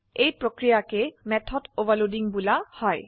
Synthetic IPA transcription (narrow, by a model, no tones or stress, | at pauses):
ejpɹokɹijakemɛtʰɔdovalodiŋbulahɔj